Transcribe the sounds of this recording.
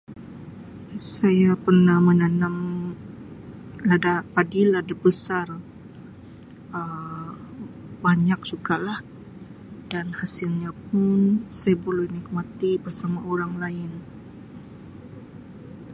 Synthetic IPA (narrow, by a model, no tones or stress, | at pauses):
sajapərnahmənanam | ladapadiladabəsar | ə | baɲak̚suɡalah | danhasɪlɲap̚ʊnsajabəlɛhnik̚mat̪ibərsamaoɾaŋlaɪn